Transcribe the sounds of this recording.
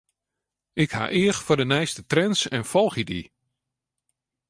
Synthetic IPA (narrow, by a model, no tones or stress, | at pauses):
ɪkha̰ːʔɪəxfɔdənɛjstətrɛnsɛnfɔlˠxədi